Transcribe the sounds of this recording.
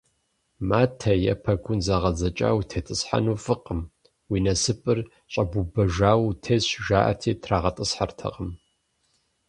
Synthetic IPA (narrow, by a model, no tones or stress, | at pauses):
maːtʰɐjɐ̰pʰɐɡʷʊnzaʁɐzɐt͡ʃʼa̰ːwtʰeːtʼɨsħa̰nuːfɨqʼəm | wiːnɐsɨpʼɨr | ɕʼɐbubɐʒaːwtʰeːsʒaːʔɐ̰tʰiːtʰraːʁɐtʼɨsħartʰɐ̰qʼəm